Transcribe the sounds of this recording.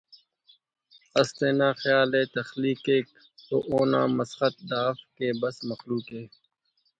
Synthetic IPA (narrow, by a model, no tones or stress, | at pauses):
ɐst̪eːnãːxjaːleːt̪ɐxliːkeːk̚ | t̪o̰ːʔoːnã̰ːmɐsxət̪̚d̪aːfkeːbɐsmɐxluːkɦeː